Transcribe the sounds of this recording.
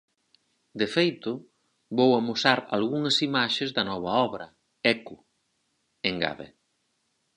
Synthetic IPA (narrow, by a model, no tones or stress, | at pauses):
d̪efejt̪ʊ | βowɐmosaɾa̰lɣuŋɐsimaʃezðɐnɔβ̞ɐɔβɾɐ | ɛku | eŋɡa̰βḛ